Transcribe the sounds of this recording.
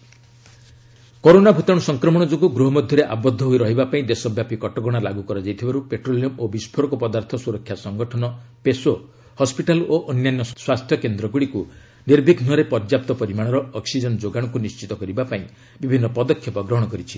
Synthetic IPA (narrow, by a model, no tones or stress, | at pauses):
koɾonabʱut̪aɽ̃ɔsɔŋkɾɔmɔɽ̃ɔd͡ʒoɡuɡɾuɦɔmɔd̪ʱjɔɾeʔabɔd̪ʱːɔɦoiɾɔɦibapaĩd̪esɔbjapikɔʈɔɡɔɽ̃alaɡukɔɾad͡ʒajt̪ʰibaɾupeʈɾolijɔmobispʰoɾɔkɔpɔd̪aɾt̪ʰɔsuɾɔkʰːjasɔŋɡɔʈʰɔnɔpeso | hɔspiʈaloʔɔnjanjɔswast̪ʰjɔkend̪ɾɔɡuɽiku | niɾbʱiɡʱnɔɾepɔɾd͡ʒjap̚t̪ɔpɔɾimaɽ̃ɔɾɔɔksid͡ʒɔnɔd͡ʒoɡaɽ̃ɔkunist͡ʃit̪ɔkɔɾibapaĩ | bibʱinːɔpɔd̪ɔkʰːjɔpɔɡɾɔɦɔɽ̃ɔkɔɾit͡ʃʰi